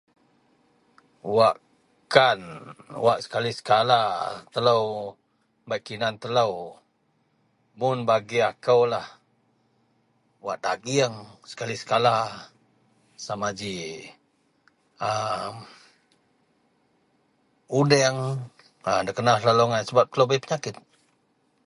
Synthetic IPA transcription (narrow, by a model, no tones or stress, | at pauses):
waʔ | kanwaʔsə̥kalisə̥kalat̪ələw | bajʔkinant̪ələw | mʊnbaɡiakəwlah | waʔdaɡiəŋsə̥kalisə̥kala | samad͡ʒi | əm | udɛŋ | ədəkənallalɔŋansəbap̚t̪ələwbajpəɲakɪt̪̚